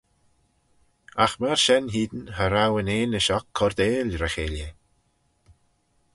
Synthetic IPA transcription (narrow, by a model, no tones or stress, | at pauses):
axmaɹʃɛnɦiːd̪ənhəɾawəneːnəʃɔkʰːɔɾd̪eːlɾəxeːlə